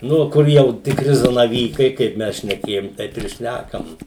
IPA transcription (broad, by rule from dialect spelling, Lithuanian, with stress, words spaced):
ˈnʊ ˈkʊr jɛʊ tʲɪkˈrʲɪ zɐnɐˈʋʲiːkɐɪ ˈkɐɪp ˈmʲɛs ʃʲnʲɛˈkʲeːjoːm ˈtɐɪp ɪr ˈʃʲnʲækɐm